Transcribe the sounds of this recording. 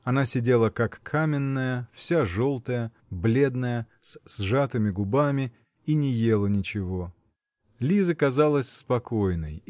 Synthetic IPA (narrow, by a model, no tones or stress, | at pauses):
ɐnasʲɪdʲe̞lˠəkakʰːamʲɪnːəjəfsʲaʐo̞lˠt̪əjə | blʲe̞d̪nəjə | ssʐat̪ɨmʲɪɡʊbamʲɪ | inʲɪje̞lˠənʲɪt͡ɕɪvo̞ | lʲizɨkɐzalˠəsʲspɐko̞jnə̰j